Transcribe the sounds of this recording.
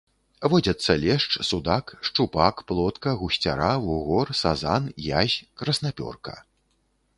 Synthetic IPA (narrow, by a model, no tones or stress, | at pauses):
vɔd͡zʲɐt̪sːɐlʲɛʂt͡ʂsud̪akʂt͡ʂupakplˠɔt̪kɐɣusʲt͡sʲa̰ɾavuɣɔrsazanjazʲkɾɐsnapʲɔ̰rkɐ̥̰